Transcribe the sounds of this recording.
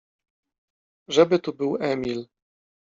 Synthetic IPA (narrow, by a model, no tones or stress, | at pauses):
ʐɛbɘt̪ubɘwɛmʲil